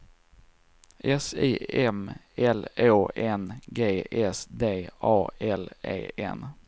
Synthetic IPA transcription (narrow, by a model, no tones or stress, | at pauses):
ʔɛsiːɛm | ɛloːʔɛnɡeːɛsd̪eːɑːɛlḛːɛ̰n